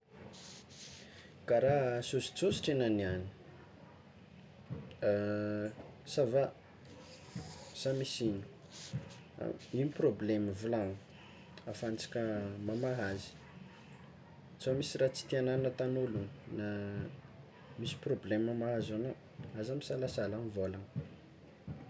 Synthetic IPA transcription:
kaɾasosi̥t͡sosi̥ʈ͡ʂenaniani̥ | sava | samisinu̥ | iniprobleməvulaŋ | afant͡sḁkʲəmamaɦazi̥ | t͡somisirat͡si̥t̪iananət̪anolunna | misi̥problemamaɦazona | azamisalasalamivolaŋ

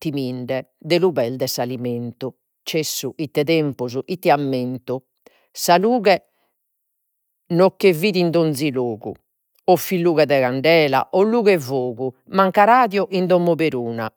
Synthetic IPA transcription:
t̪imiɳɖɛd̪eluβɛld̪ɛsaliment̪u | t͡ʃesːuʔit̪ːɛðɛmpuzuʔit̪ːiamːent̪u | saluːɣɛ | nokːeviːðind̪ond̪ziloːɣṵ | ɔfːilːuːɣɛðɛɣaɳɖɛːla̰ʔɔlːuːɣɛvoːɣu | maŋkaɾaːðjɔʔind̪ɔmːɔβeɾuːna̰

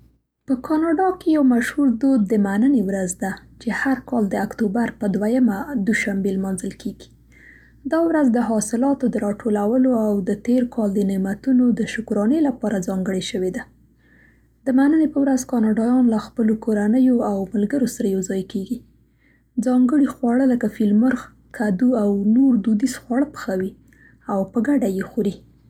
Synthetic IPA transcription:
pəkʰɑnɑɖɑkejawmaʃhuɾd̪od̪̚ːəmanənewɾazd̪at͡ʃehaɾkɑld̪əakt̪obaɾpəd̪wajamad̪uʃambelmɑnzəlkʰeɡi̥ | d̪ɑwɾazd̪əɦɑsɪlɑt̪od̪əɾɑʈʰolawəloawd̪ət̪eɾkʰɑld̪ənemat̪unod̪əʃʊkɾɑnelapɑɾazɑŋɡəɽeʃəwed̪a | d̪̥əmanənepəwɾazkɑnɑɖɑjɑnlaxpəlokoɾanəjoawmʊlɡəɾosaɾajawzɑjkeɡi | d͡zɑŋɡəɽixwɑɽələkafilmʊɾx | kʰad̪uawnoɾd̪ud̪izxwɑɽəpə̥xawi | awpəɡaɖajexuɾi

